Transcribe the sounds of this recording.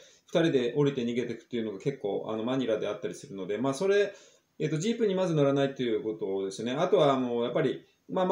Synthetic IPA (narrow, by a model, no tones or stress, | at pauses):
ɸɯ̥t̪aɾʲid̪e̞ʔo̞ɾʲit̪e̞ɲ̟iɡe̞t̪e̞kɯ̟̥t̪ːe̞iɯ̟no̞ɡake̞kːo̞̰ːʔa̰no̞maɲ̟iɾad̪e̞at̪ːaɾʲisɨɾɯ̟no̞d̪e̞maːso̞ɾe̞ | eːt̪ːo̞ʑiːpɯ̟ɲ̟imazɨnoɾanait̪ːe̞jɯ̟ko̞t̪o̞d̪e̞sɨjo̞neat̪o̞βaːno̞japːaɾʲi | ma